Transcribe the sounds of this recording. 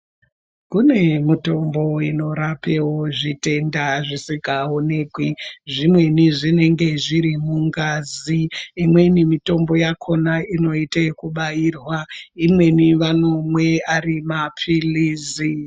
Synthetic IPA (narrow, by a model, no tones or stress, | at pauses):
kune̞mito̞mbo̞ino̞ɾape̞wo̞ʐite̞ndaʐisikaone̞kwiʐimwe̞niʐine̞ŋɡe̞ʐiɾimuŋɡaːziːmwe̞nimito̞mbo̞jakʰo̞naino̞itekuɓairwaimwe̞niʋano̞mwe̞aɾimapʰiliːzi